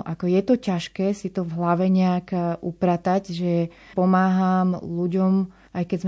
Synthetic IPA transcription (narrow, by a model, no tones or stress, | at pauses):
ʔakɔjɛt̪ɔcaʃkɛːsit̪ɔvɦlaʋɛɲɛakʔupɾat̪aɟʒɛ | pɔmaːɦamluɟɔm | ʔajkɛzm